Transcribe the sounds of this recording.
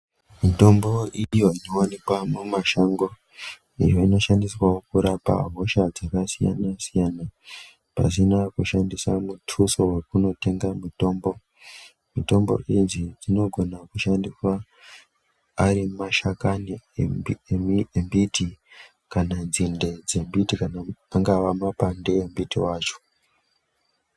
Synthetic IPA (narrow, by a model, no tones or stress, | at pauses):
mito̞mbo̞ijo̞inowanikwamumaʃaŋɡo̞ | ijo̞ino̞ʃandiswawokuɾapa̰ɦo̞ʃad͡zakasija̰nasijana | pa̰sinakuʃandiswamutʰuso̞we̞kuno̞te̞ŋɡamuto̞ːmbo̞ | mito̞mbo̞̰ʔind͡zid͡zino̞ɡʱo̞nakuʃandiswa | ɾimaʃakani | emiembiti | kanand͡zinde̞d͡ze̞mbitikanaaŋɡaʋamapandeembitiwaːt͡ʃo̥